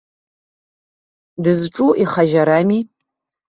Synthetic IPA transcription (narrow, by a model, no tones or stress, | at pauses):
dɨzʈ͡ʂʼuʔiχaʒaɾami